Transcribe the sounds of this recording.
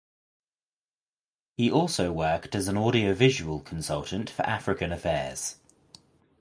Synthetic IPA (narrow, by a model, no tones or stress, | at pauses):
hiʔɔˑlˠsəʊwɜˑktəzə̃nɔːɾiəʊvɪʒəwəlˠkʰə̃nsʌlˠtə̃ntfə̰ɹʔafɹɪkə̃nəfɛːz̥